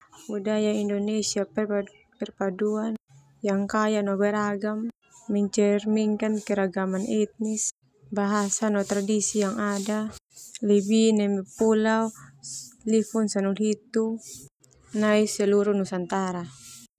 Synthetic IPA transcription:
budajaindɔnɛsiapɛ | pɛrpaduan | jaŋkajanɔbɛɾaɡamː | ɛɲt͡ʃɛrmiŋkankɛɾaɡamanɛt̪̚nis | baɦasanɔt̪ɾadisijaŋadalibinɛmɛpulau | lifunsanulɦit̪u | naisɛluɾunusant̪aɾa

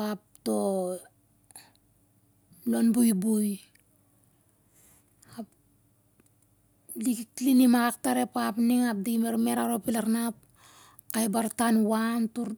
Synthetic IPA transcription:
ap̚to̞ | lo̞nbujbuj | ap | likiklinimaɡak̚taɾe̞papniŋap̚diimeɾme̞ɾaɾopilaɾnap̚ | kajbaɾtanwantuɾ

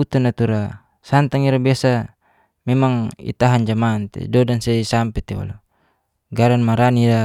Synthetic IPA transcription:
ut̪anat̪uɾa | sant̪aŋiɾabiasa | mɛmaŋḭt̪aɦand͡ʒamaːnt̪ɛ̰dɔdansɛisampɛt̪ɛa̰lo | ɡaɾanmaɾania

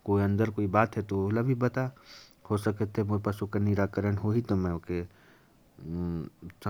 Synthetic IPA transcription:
koːiə̃nd̪əɾkoːibaːt̪ɦɛt̪oʊlabʱibɐt̪a | hosɐkət̪ʰɦemoɾpəʃukanɪɾaːkəɾəɳɦoɦit̪omɛ̃ʊke | s

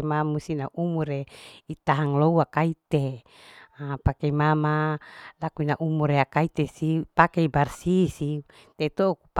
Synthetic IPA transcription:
mamusinaʔumuɾeit̪aɦaŋlouakait̪e | apakeimamalakuinaʔumuɾeakait̪esipakeibarsisi | t̪et̪okup

